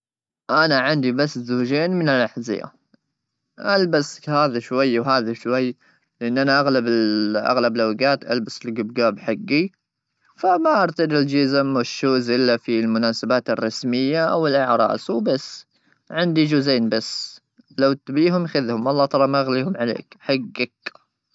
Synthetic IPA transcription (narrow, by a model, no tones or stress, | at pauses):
ʔanaʕɪnd̪ibasːzuːd͡ʒeːnmɪnɪlʔaħzɪ̰ja̰ | ʔalbashaːðaʃwajːwɦaːðaʃwajː | lɪʔɪnːʔanaʔaɣlabɪʔa̰ɣlablʔawɡaːt̪ʔalbasɪlɡʊbɡaːbħaɡːi | famaʔaɾˤt̪ad̪ɪld͡ʒɪzɪmɪʃːuːzʔɪlːafilmʊnaːsabaːt̪ɪrˤːɑsmɪjːaʔa̰wɪlʔɪʕɾˤɑ̰ːswbasː | ʕɪnd̪id͡ʒuːzeːnbasː | lawt̪biːɦʊmjxɪðhʊmwʔɑlˤːɑːt̪ˤɑɾˤɑmaʔɣliːhʊmʕalḛːkħaɡːak